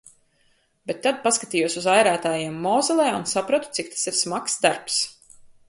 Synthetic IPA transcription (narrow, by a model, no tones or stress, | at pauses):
b̥ɛt̪ːad̪̚paskat̪iːjuɔsuzajɾæːt̪aːjiɛmːɔːzɛlˠɛːunsapɾat̪u̥t̪sik̚t̪ḁsiɾsmaksd̪aɾps